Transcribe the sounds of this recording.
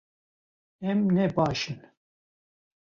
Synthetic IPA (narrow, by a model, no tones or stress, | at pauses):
ɛmnɛbɑːʃɨn